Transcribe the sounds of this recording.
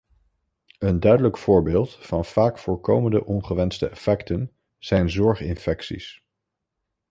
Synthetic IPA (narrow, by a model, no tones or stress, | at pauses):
əndœɥdələkfʊːɹbeːlˠtfɑnv̥aːkfʊːɹkowməndə̰ʔɔnχəʋɛnstəɛfɛktən | z̥ɛjnzɔɹχɪ̰nfɛksḭs